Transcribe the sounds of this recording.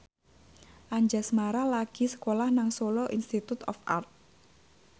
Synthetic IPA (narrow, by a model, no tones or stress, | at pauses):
ʔaɲd͡ʒasmaɾalaɡ̥i̤sə̥kolahnaŋsolɔʔinst̪it̪ut̪ɔ̰fʔa̰rt̪̚